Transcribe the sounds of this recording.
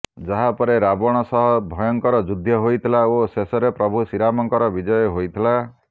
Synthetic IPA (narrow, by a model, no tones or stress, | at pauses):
d͡ʒaɦapɔɾeɾabɔɽ̃ɔsɔɦɔbʱɔjɔŋkɔɾɔd͡ʒud̪ʱjɔɦojt̪ʰilaosesɔɾepɾɔbʱusiɾamɔŋkɔɾɔbid͡ʒɔjɔɦojt̪ʰila